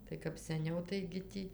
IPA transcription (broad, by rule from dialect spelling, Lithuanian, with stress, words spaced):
tɐɪ kɐp sʲɛˈnʲɛʊ tɐɪɡʲɪ ˈtʲiː